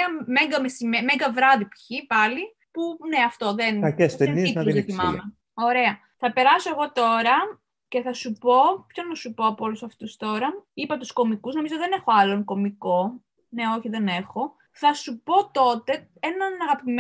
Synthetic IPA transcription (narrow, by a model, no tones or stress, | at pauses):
ɐmeŋɡɐmesimemeŋɡɐvɾɐðipçipɐli | puneɐft̪o̞ðenkɐkest̪eninɐθimɐmme | o̞ɾe̞ɐ | θɐpe̞ɾɐso̞e̞ɣo̞t̪o̞ɾɐ | ce̞θɐsupo̞pçonɐsupoɐpoolusɐft̪ust̪o̞ɾɐipɐt̪usko̞mikuzno̞mizoðe̞ne̞xo̞ɐlo̞ŋko̞miko̞ | ne̞o̞çiðe̞ne̞xo̞ | θɐsupo̞t̪o̞t̪e̞ | e̞nɐnɐɣɐpim